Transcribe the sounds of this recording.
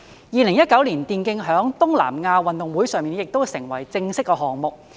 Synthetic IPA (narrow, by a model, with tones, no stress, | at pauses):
jiː˧lɪ˨˩ŋjɐ˥t̚kɐ˨˥wliː˨˩nt̪iː˧nkɪ˧ŋɦœː˨˥ŋt̪ʊ˥ŋla̰ː˨˩mŋaː˧wɐ˨nt̪ʊ˨ŋwuː˨˥jsœː˨ŋmiː˨njɪ˨k̚t̪o˥wsɪ˨˩ŋwɐ̰˨˩jt͡sɪ˧ŋsɪ˥kːɛː˧ɦɔː˨˩ŋmʊ˨k̚